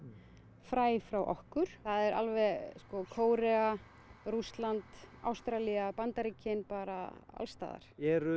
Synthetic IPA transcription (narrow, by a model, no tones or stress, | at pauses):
fɾaːjfɾawʔɔ̰hkʏɾ̥θaðɛɾʔa̰lvɛskɔkʰoːwɾɛa | rust̪lant̪a̰wst̪ɾaliapant̪aɾicɪnpaːɾa̰a̰lst̪a̰ːða̰ɾ̥ɛɾʏ